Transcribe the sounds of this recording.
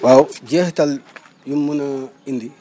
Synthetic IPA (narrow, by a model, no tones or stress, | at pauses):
wawd͡ʒɛhtal | jumːunaindi